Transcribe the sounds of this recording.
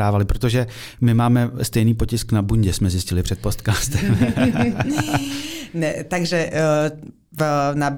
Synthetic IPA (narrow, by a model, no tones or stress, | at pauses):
aːvalɪpɾot̪o̞ʒɛ | mɪmaːmɛst̪ɛjniːpo̞cɪsknabuɲɟɛsmɛzjɪscɪlɪpr̝̥ɛt̪̚post̪kaːst̪ɛm | nɛt̪aɡʒɛ | na